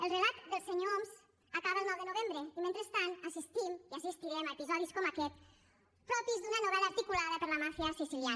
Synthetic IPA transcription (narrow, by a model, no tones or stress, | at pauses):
əlˠrəlat̪d̪əlˠseɲoomz | akaβəlˠnɔwðənuβembɾəimẽnt̪ɾəst̪anasist̪imiasist̪iɾɛmaepizɔðiskɔmakɛt̪̚ | pɾɔpizd̪unənuβɛləːɾt̪ikulaðəpəɾləmafjasisilja